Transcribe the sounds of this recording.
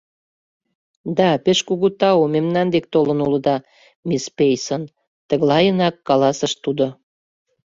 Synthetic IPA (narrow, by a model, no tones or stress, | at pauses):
d̪ɑpeʃkuɣut̪ɑomemnɑnd̪ek̚t̪olə̆nuləd̪ɑ | mispejsən | t̪əɣlɑjənɑkːɑlɑsə̆ʃt̪ud̪o